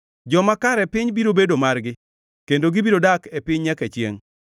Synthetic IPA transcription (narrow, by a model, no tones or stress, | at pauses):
d͡ʒɔmakaɾɛpɪɲbiɾobedomarɡɪ | kendoɡibiɾodakɛpɪɲɲɛkɛt͡ʃjḛŋ